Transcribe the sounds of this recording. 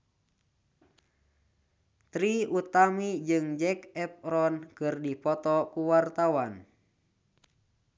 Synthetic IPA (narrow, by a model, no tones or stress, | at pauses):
t̪ɾiut̪amid͡ʒɨŋd͡ʒɛkɛp̚ɾɔnkɨrdipɔt̪ɔkuwart̪awan